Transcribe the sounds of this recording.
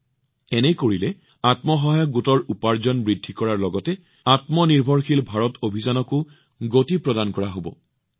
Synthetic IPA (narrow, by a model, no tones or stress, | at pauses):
ɛnɛkoɹilɛ | atmɔɦɔɦajɔɡutɔɹupaɹzɔnbɹidʱːikɔɹaɹlɔɡɔtɛ | atmɔniɹbʱɔɹxilbʱaɹɔtʰobʱizanɔkʊ | ɡotipɹɔdankɔɹaɦobɔ̰